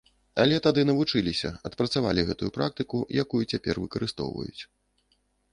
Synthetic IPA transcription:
alʲɛt̪ad̪ɨnɐvut͡ʂɨlʲisʲɐ̰ɐt̪pɾɐt̪sava̰lʲiɣɛt̪ujupɾak̚t̪ɨkujakujut͡sʲapʲɛrvɨkɐɾɨst̪ɔ̰wvɐ̰jṵt͡sʲ

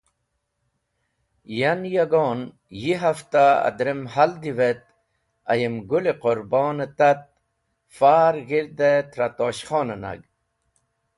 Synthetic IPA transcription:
janjaɡoːn | jiɦaft̪aa̰d̪ɾemhald̪iʋet̪̚ | ɐjimɡuleqoɾboːnet̪ɐt̪̚ | faːɾɣiɾd̪et̪ɾat̪oːɕχoːnəna̰ɡ

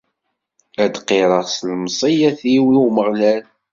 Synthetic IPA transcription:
æd̪qːiɾˤəʁslmsˤijæθiwiuməʁlæl

